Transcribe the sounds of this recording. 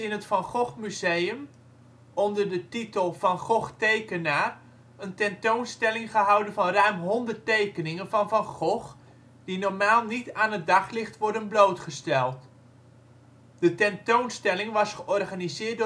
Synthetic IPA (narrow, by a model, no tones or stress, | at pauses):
ɪnətfɑnχɔχmyzejəm | ʔɔndərdətitəlˠvɑnχɔχtejkənaː | əntɛntownstɛlɪŋχəɦɑwdənvɑnrœɥmɦɔndərtejkənɪŋənvɑnvɑnχɔχ | d̥inɔɹmaːlˠnitaːnɦət̚dɑχlɪχtʋɔɹdənblowtχəstɛlˠt | d̥ətɛntownstɛlɪŋʋɑsχəʔɔrχanizɪːt̚dʊ